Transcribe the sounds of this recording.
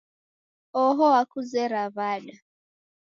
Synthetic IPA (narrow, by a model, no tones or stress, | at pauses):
ɔɦɔwakuzɛɾaβaɗa